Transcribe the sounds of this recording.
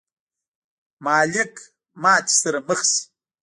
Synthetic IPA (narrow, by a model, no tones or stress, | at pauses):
maːlɪkʼʰ | maːt͡ʃsɨɾmɨχs